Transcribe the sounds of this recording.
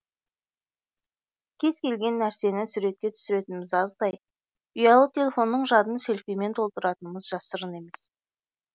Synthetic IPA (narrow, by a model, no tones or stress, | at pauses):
kʲʰe̞z̥kʲʰe̞lɡʲe̞nːæɾse̞nɪsuɾe̞t̪̚kʲe̞t̪ʰʏ̥sɪɾe̞t̪ɪnmɪzɑzd̪ɑj | ʊjɑlˠət̪ʰʲe̞lʲe̞fo̞nːəɴʒɑd̪ənse̞lʲfijme̞nt̪ʰo̞lˠt̪əɾɑt̪ənəməzʒɑsəɾəne̞me̞s